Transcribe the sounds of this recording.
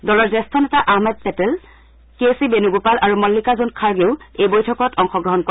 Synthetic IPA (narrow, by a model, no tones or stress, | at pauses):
dɔlɔɹzɛstʰɔnɛtaʔahmɛd̚pɛtɛl | kesibenuɡupalʔaɹumɔlːikazonkʰaɹɡeʊejbojtʰɔkɔtʰɔŋxɔɡɹɔɦɔnkɔ